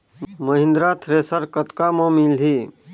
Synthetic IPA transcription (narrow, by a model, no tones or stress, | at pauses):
məɦɪ̃nd̪ɾat̪ʰɾeːsəɾkət̪kamə̃milɦi